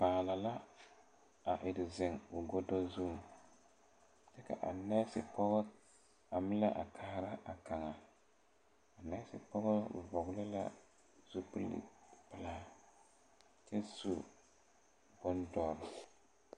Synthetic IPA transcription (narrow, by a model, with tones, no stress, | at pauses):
paː˨la˨la˦ | a˨ʔɪ˨dɪ˨zɪ˨ŋʊ˨ɡɔ˦dɔ˦zu˦m˨ | dɛ˦ka̰˨ʔa̰˨nɛ˦sɪ̰˨pɔ˦ɣɔ˦ | a˨mɪ˦la˦ʔa̰˨kʰaː˦ɾa˦ʔa˨ka˨ŋa˨ | a˨nɛ˦sɪ̰˨pɔ˦ɣɔ˦˨vɔ˨ɣlɪ˦la̰˦ | z̥u˦pɨ˦lɪ̰˨pɪ˦la˦ | t͡ʃɛ˦zu˦ | bʊ˦ndɔ˨ɾʊ˨